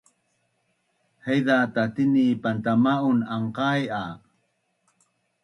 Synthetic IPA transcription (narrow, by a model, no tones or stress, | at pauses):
hejðatat̪inipant̪amaunaɴqaja